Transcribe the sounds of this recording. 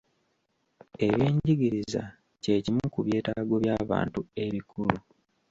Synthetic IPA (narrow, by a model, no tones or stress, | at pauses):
e̞βjiːɲɟiɡiɾiza̰ | ce̞ːcimukuβje̞ːtaɡo̞βjaːβa̰ːntue̞βikʰulu